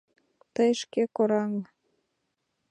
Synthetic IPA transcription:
t̪əjʃkekoɾɑŋ

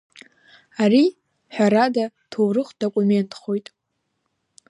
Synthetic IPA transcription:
aɾi | ħʷᶣaɾadatʰowrɨχʷd̥o̞kʷʼume̞ntʼχo̞jtʼ

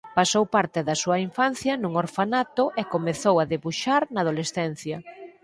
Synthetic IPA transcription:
pasowpaɾt̪eðɐsuɐiɱfan̟θjɐnuŋoɾfanat̪oʔekomeθowaðeβuʃaɾnaːð̞olesθɛn̟θjɐ

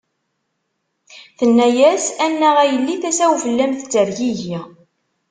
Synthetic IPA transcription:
θənːæjæsænːæʁæjəlːiθæsæwvəlːæmθt͡sːəɾʝiʝi

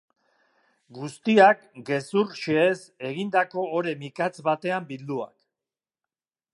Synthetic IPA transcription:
ɡust̪iakɡe̞suɾʃeese̞ɣind̪ako̞ːɾe̞mikat͡sβat̪e̞ambild̪ua̰k

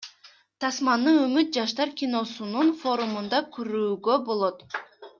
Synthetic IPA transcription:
t̪ʰɑsmɑnɯømyt̪̚d͡ʒɑʃt̪ɑɾkʲino̞sununfo̞ɾumund̪ɑkʰyɾyːɡøbo̞lˠot̪

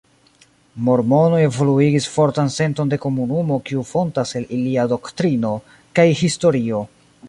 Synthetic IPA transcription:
mo̞ɾmo̞no̞e̞vo̞luiɡisfo̞ɾtanse̞nto̞nde̞ko̞munumo̞kiufo̞ntase̞liliado̞ktɾino̞ | kajhisto̞ɾio̞

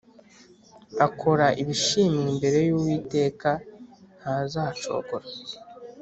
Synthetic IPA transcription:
akʰo̞ɾaʔiβiʃimimbe̞ɾe̞juwiːte̞ːkan̥hazaːt͡ʃo̞̰ːɡoɾa

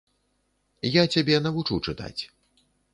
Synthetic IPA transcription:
jat͡sʲabʲɛnɐvut͡ʂut͡ʂɨt̪a̰t͡sʲ

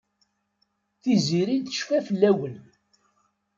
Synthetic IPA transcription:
θiziɾilθə̥ʃfæfəlːæwən

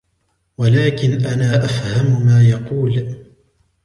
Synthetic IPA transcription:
walaːkɪnʔanaːʔafhammaːjɑquːl

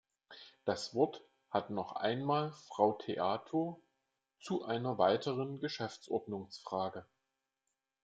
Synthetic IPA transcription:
d̥asv̥ɔɐt | hatnɔχʔa̰ɪnmaːlfʁ̥aʊtʰeʔaːtʰoɐ | t͡suʔaɪnɐvaɪtʰəʁənɡəʃɛft͡sʔɔ̰ɐdnʊŋsfʁ̥aːɡə

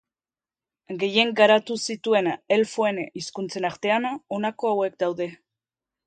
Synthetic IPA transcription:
ɡe̞je̞ŋɡaɾat̪usit̪ue̞ne̞lfoe̞niskunt͡se̞naɾt̪e̞ano̞nako̞awe̞k̚d̪awðe̞

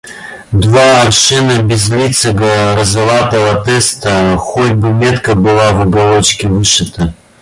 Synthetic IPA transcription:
d̪vaːrʃɨnɨbʲɪzlʲit̪sʰɨɡɐrɐzɨlat̪ɐvɐt̪ɛst̪ʰɐxotʲbɨmʲet̪kɐbɨlˠavɐɡɐlˠot͡ʃkʲɪvɨʂɨt̪ʰɐ

